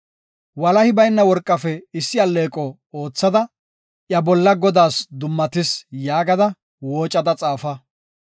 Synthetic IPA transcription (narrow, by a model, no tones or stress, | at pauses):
wɐlɐhɪbɐjnːɐwɔɾkʼːɐfɛɪsːɪɐlːe̞ːkʼɔ | o̞ːt͡sːɐd̪ɐ | ʔjɐbɔlːɐɡɔd̪aːsd̪ʊmːɐt̪ɪsjaːɡɐd̪ɐ | wo̞ːt͡ʃʼːɐd̪ɐt͡sʼaːfɐ